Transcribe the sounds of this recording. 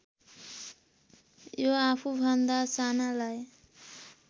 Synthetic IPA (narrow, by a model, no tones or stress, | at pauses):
joapʰubʱʌnd̪asanalaj